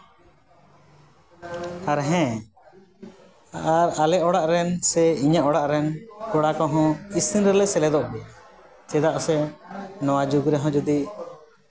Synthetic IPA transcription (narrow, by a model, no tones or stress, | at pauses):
aɾɦɛ̃ | aɾalɛʔɔɽaʔɾɛnsɛiɲaʔɔɽaʔɾɛnkɔɽakɔɦɔ̃isinɾɛlɛʔsɛlɛd̪ɔʔbɛa | t͡ʃɛd̪aʔsɛnɔwad͡ʒuɡɾɛɦɔ̃d͡ʒud̪iʔ